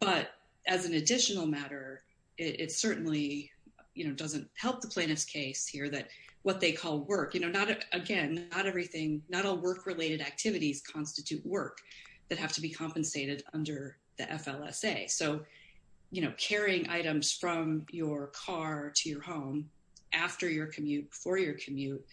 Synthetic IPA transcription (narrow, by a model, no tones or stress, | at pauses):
b̥ʌɾ | ʔɨzɨ̃n̩ɨdɪʃɨn̩l̩ˠmæɾə˞ | ɪɾʔɪ̰tsɜ˞ʔn̩li | jɨñoʊdʌzɨ̃nthɛlˠp̚ðəpʰl̥ẽɪ̃nɨfskʰeɪshiɹðɨt̚wʌt̪̚ðeɪkʰɔlˠwɜ˞kjɨnoʊnəɾɨɡɛ̃nːəɾɛvɹiθɪ̃ŋnəɾɔlˠwɜ˞kʰɹɨleɪɾɨɾæk̚tʰɪvɨɾiz̥kʰɑ̃nstɨtʰʉʔ̚wɜ˞kðɨt̚hæftʰɨbikʰɑ̃mpɨ̃n̩seɪɾɨɾʌ̰̃ndə˞ | ðḭʔɛfɛlˠɛ̰seɪsoʊ | jɨñoʊkʰɛɹiɪ̃ŋʔa̰ɪɾɨ̃mz̥fɹʌ̃mjə˞kʰɑɹɾʰɨjə˞hõʊ̃m | ʔæftə˞jə˞kʰɨmjʉt̚b̥əfɔɹjə˞kʰɨmjʉt̚